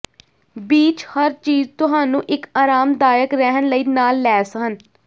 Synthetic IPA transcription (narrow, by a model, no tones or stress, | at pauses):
biːt͡ʃhəɾt͡ʃiːzt̪ʊɦaːnũːʔɪkaːɾaːmd̪aːjəkɾɛɦənləiːnaːlːɛːsəɦən